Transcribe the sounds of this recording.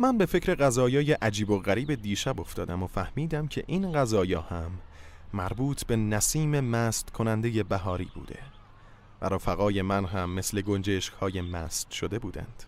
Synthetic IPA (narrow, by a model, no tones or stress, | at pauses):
mænbe̞fe̞cʰɾe̞ɣæzɒːjɒːje̞ʔæd͡ʒiːboɣæɾiːbe̞d̪iːʃæbo̞ft̪ʰɒːd̪æmofæhmiːd̪æmcʰe̞̰ʔinɢæzɒːjɒːhæmːæɾbuːt̪ʰbe̞næsiːme̞mæːst̪kʰo̞nænd̪eje̞bæɦɒːɾḭːbṵːd̪e̞̰ | væ̰ɾofæɣɒːje̞mænɦæmːesle̞ɡo̞nd͡ʒeʃkhɒːje̞mæ̰ːst̪ʃod̪e̞buːd̪æ̰nd̪̥